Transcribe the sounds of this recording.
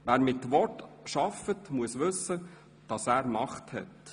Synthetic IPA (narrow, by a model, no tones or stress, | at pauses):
ʋæːɾmɪtʋɔtʃɑfətmuəsʋɵsə | d̥ɑsæːɾmɑχthɛ̰t